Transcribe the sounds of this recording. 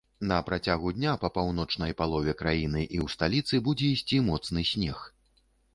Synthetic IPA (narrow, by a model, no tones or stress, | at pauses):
nɐpɾat͡sʲaɣud̪ʲnʲapɐpawn̪ɔt͡ʂnɐjpalˠɔvʲɛkɾajinɨʔiwst̪alʲit̪sɨbud͡zʲɛisʲt͡sʲimɔt̪snɨsʲnʲɛx